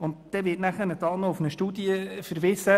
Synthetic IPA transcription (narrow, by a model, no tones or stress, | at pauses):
ʊntd̥ɛvɪːtnæχənət̪ɑlnɔʊfnəʃtuːdiəfəɾvɪsə